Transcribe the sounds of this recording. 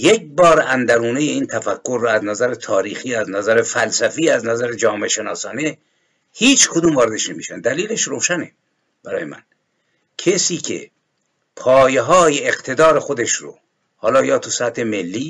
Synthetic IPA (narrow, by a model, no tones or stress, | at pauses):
jek̚bɒːɾænd̪æɾuːnejeiːnt̪ʰæfækʰːoɾːɔæznæzæɾet̪ʰɒːɾiːxiːæznæzæɾefælsæfiːæznæzæɾed͡ʒɒːmeʃe̞nɒːsɒːne | hiːt͡ʃʰkʰod̪uːmvɒːɾed̪eʃnemḭːʃænd̪æliːleʃɾoːʃæne | b̥æɾɒ̰ːjemʔæ̰n | kʰesiːkʰḛ | pʰɒːjeɦɒːjeːqt̪ʰe̞d̪ɒːɾe̞xod̪eʃɾo̰ | hɒːlɒːjɒːt̪ʰusæt̪ʰːemelːiː